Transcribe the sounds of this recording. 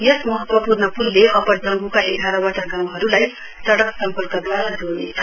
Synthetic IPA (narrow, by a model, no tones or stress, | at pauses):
jʌsmʌɦʌt̪wʌpurnʌpulːeʔʌpʌɾd͡zʌŋɡukaʔeɡʱaɾawaʈaɡaw̃ɦʌɾulaj | sʌɽʌksʌmpʌrkʌd̪waɾad͡zonet͡sʰʌ̥